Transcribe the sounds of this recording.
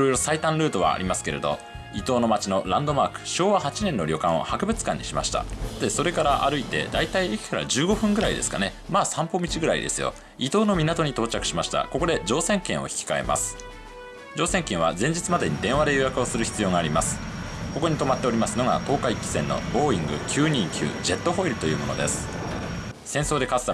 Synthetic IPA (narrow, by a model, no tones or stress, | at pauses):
iɾo̞jɾo̞sait̪ãnɾɯ̟ːd̪o̞βa̰a̰ɾʲimasɨ̥ke̞ɾe̞̰d̪o̞̰ | it̪o̞ːno̞mat͡ɕino̞ɾãnd̪o̞maːkɯ̟̥ɕo̞ːβahat͡ɕinẽ̞nːo̞ɾʲo̞kãɰ̃o̞̰hakɯ̟bɯ̟t͡sɨ̥kãɲ̟ːḭɕima̰ɕi̥t̪a̰t̪eso̞ɾe̞kaɾaʔa̰ɾɯ̟it̪e̞̰d̪ait̪aiekʲi̥kaɾa̰d͡ʑɨːɡo̞ɸɯ̟̃ŋɡɯ̟ɾaid̪e̞̰sɨ̥ka̰ne̞maːsãmpo̞mʲit͡ɕiɡɯ̟ɾaḭd̪e̞̰sɨjo̰ | it̪o̞ːno̞mʲinat̪o̞ɲ̟it̪o̞ːt͡ɕakɯ̟̥ɕimaɕi̥t̪a̰ko̞ko̞d̪e̞d͡ʑo̞ːsẽ̞ŋkẽ̞ɰ̃o̞̰çi̥kʲi̥kae̞̰mʔa̰sɨ̥ | d͡ʑo̞ːsẽ̞ŋkẽ̞ɰ̃βazẽɲ̟d͡ʑit͡sɨmad̪e̞ɲ̟id̪ẽ̞ɰ̃βad̪e̞jojakɯ̟o̞sɨɾɯ̟çi̥t͡sɨjo̞ːŋaːɾʲimasɨ̥ko̞ko̞ɲ̟it̪o̞mat̪ːe̞o̞ɾʲimasɨno̞ɡa̰t̪o̞ːkaikʲːi̥sẽ̞nːo̞̰bo̞ːĩŋɡɯ̟kʲʰɨːɲ̟ĩŋkʲɨ̰ːd͡ʑe̞t̪ːo̞ɦo̞iɾɯ̟t̪o̞jɯ̟ːmo̞nod̪e̞̰sɨ̥ | sẽ̞ɰ̃so̞ːd̪e̞kasɨ̥t̪a